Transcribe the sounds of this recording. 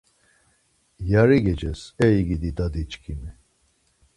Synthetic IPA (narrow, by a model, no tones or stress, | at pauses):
jaɾiɡɛd͡ʒɛsɛiɡid̪id̪ad̪it͡ʃkʰʼimi